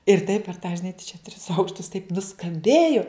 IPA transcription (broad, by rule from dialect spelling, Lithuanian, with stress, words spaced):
ɪr tɐɪp pʲɛr tɑː ʒʲɪˈnɐɪ tɐɪ t͡ʃʲɛ tʲrʲɪs ˈɐʊkʃtʊs tɐɪp nʊskɐmʲˈbʲeːjʊ